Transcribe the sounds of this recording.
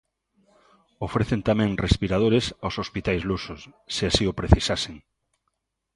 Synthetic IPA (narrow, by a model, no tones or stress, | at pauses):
ofɾeθent̪amẽŋrespiɾað̞oɾesawsospit̪ajzlusosːeasiopɾeθisaseŋ